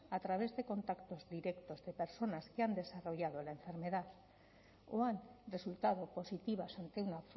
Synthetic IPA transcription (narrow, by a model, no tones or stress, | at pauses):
at̪ɾaβ̞e̞zðe̞ko̞nt̪akt̪o̞zðiɾekt̪ozðe̞peɾso̞naskeand̪e̞saro̞ʝað̞olaeɱfe̞ɾmeð̞að | oanresult̪að̞opo̞sit̪iβ̞asant̪eunas